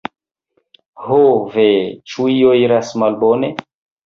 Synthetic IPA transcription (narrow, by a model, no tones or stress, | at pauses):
hovet͡ʃuioiɾasmalbone